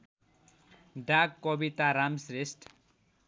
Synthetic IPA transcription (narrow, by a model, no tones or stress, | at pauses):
ɖakkːʌbit̪aɾamsresʈ